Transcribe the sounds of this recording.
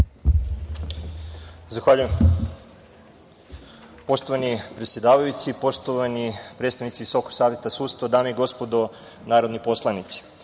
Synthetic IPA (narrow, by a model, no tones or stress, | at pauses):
zaxʋaʎujem | po̞ʃt̪oʋanipɾet̪sʲjed̪aːʋajut͡ssipo̞ʃt̪oʋanipɾet̪st̪aʋnit̪siʋiso̞ko̥saːʋjet̪asuːt̪st̪ʋad̪aːmeiɡo̞spo̞d̪o | naːɾo̞d̪nipo̞slˠanit̪si̥